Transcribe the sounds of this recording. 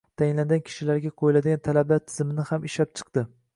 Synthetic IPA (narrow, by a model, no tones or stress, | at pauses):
t̪ʰajɪnlanɡʲankʲʰɪ̥ʃɪlaɾɡʲaqʰojlad̪ɪɡʲant̪ʰalablaɾt̪ʰɪ̥zɪmɪnɪhamɪʃlap̚t͡ʃʰɨ̥qd̪̥ɪ